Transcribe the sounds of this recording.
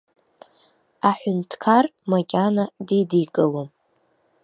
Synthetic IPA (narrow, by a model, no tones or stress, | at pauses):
aħʷᶣʊntʰkʰarmakʲʼanadidijkʼɨlom